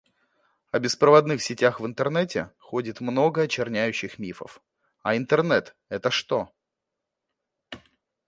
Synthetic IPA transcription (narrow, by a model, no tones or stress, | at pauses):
ɐbʲɪspɾəvɐd̪nɨxsʲɪtʲaxvɨnt̪ərnɛtʲɪxodʲɪt̪mno̞ɡəɐt͡ɕɪrnʲæjʉɕːɪxmʲifə̰f | ɐɪnt̪ɨrnɛt̪ | ɛt̪əʂt̪o̞